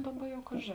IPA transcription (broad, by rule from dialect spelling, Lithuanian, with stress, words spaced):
ˈdɑːˌbɐ ˈjɛʊ ˈkɑːʒʲeː